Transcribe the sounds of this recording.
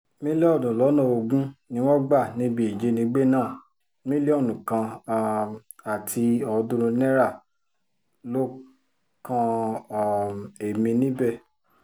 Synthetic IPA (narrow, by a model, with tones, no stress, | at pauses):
mĩ˦le˦ɔ˦˨nũ˨lɔ˨˦nã˦˨o˧ɡũ˦nĩ˧˦w̃ɔ̃˦ɡ͡ba˦˨nĩ˨˦bĩ˦e˨d͡ʒe˨˦nĩ˧˦ɡ͡be˦nãː˦˨ | mĩ˦le˦ɔ˦˨nũ˨kã˧ | a˨tʰi˧ɔ˧dũ˦ɾ̃ũ˧nɛ̃˦ɾa˦˨ | lo˦ | kã˧˨ | e˨mĩ˧nĩ˦bɛ˦˨